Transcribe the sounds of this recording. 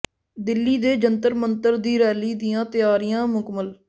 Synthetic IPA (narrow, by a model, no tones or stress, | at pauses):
d̪ɪlːiːd̪eːd͡ʒənt̪əɾmənt̪əɾd̪iːɾɛːliːd̪ɪjãːt̪ɪjaːɾijãːmʊkməl